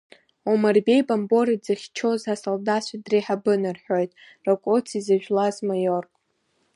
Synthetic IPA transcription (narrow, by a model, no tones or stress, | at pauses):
omarbe̞jbambo̞ɾid͡zaχʲt͡ʃʰo̞zasoldaʃʷadriħabɨnarħojtʼ | rakʷʼot͡sʰizaʒᶣlazmajorkʼ